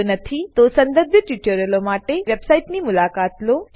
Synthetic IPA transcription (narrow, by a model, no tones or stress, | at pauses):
nɐt̪ʰit̪osɐ̃nd̪əɾbʱjət̪juʈjoɾəlomaːʈeʋebsaiʈnimʊlaːkaːt̪lo